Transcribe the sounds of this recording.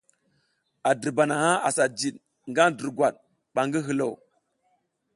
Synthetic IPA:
a˨di˨ɾba˨na˨ha˦a˨sa˨d͡ʒi˨ɗ | ŋɡa˦n˦də˨ɾɡʷa˨ɗ | ɓa˨ŋɡi˦ɦi˨lo˨w

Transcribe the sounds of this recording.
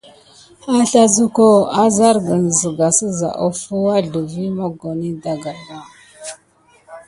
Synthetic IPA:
a˦ɬa˦zu˦ko˦a˦za˦ɾɡə˨n˨zə˨ɡa˨sə˦za̰˨ʔo̰˦fu˦wa˦ɮə˨vi˦mo˦ɡo˨ni˦da˨ɡa˨ba˦˨

